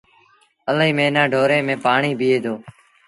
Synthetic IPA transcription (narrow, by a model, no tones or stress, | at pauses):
əliːmẽːnãːɖʱoːɾẽːmẽːpaːɳiːbʱiːeːd̪oː